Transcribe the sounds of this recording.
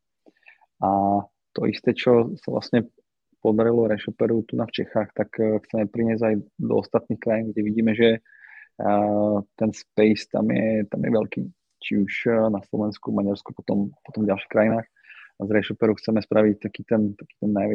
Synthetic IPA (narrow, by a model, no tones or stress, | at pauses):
a | t̪ɔʔḭst̪ɛt͡ʃɔsavlʔa̰sɲɛ | pɔd̪aɾilɔɾɛʃɔpɛɾut̪unaft͡ʃɛxaːxt̪akxt͡sɛmɛpɾiɲɪɛzajd̪ɔ̰ɔst̪at̪niːxkɾajiːnɡɟɛʋiɟiːmɛʒɛ | t̪ɛnspɛɪst̪a̰mɪjɛ̰t̪amjɛ̰ʋɛlkḭː | t͡ʃiuʃnaslɔʋɛnskuvmaɟaɾskupɔt̪ɔmpɔt̪ɔmvɟalʃiːxkɾajinaːx | azɾɛʃɔpɛɾuxt͡sɛmɛspɾaʋic̚t̪akiːt̪ɛnt̪ḁki̥ːt̪ɛnːajʋɛ